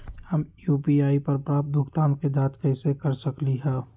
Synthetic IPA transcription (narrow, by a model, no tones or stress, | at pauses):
həmjuːpiaːipɐɾpɾaːp̚d̪ʱʊkt̪aːmked͡ʒ̪aːt̪kɛɪsekəɾsəkliɦɛ̃ː